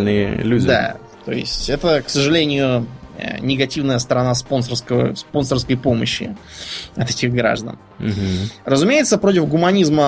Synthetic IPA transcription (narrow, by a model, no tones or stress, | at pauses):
lnɨjə̰lʲuddʲɪd̪a̰ | t̪o̞̰ɪsʲtʲɛt̪əksəʐɨlʲenʲɪjʊ̰ | nʲɪɡɐtʲivnəjəst̪əɾɐnaspo̞nsərskəvə̰spo̞nsərskəjpo̞məɕːɪ̰ɐt̪ɛtʲɪɣɡɾa̰ʐd̪ə̰n | m̩ɦ̩rəzʊmʲejɪt̪səpɾotʲɪfɡʊmɐnʲizmə